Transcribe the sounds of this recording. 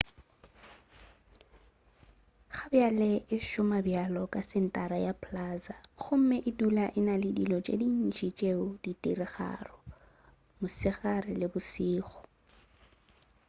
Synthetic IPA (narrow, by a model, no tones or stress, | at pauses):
χabjalɪʔɪʃʊmabjalɔkʼasɪn̩tʼaɾajapʰlaːzaχʊm̩mɪʔɪdulaʔɪnalɪdilɔt͡ʃʼḛdin̩t͡ʃit͡ʃʼeʊditʼirɪχa̰rɔ | mʊsɪχarɪlɪbʊsiːχʊ̥